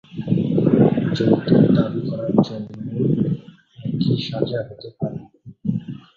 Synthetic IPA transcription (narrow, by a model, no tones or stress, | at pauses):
d͡ʑont̪oɾd̪abikɔɾaɾd͡ʑonːo | ɛkiʃad͡ʑaɦot̪epaɾe